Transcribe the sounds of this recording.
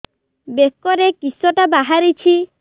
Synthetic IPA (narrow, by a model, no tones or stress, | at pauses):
bekɔɾekisɔʈabaɦaɾit͡ʃʰi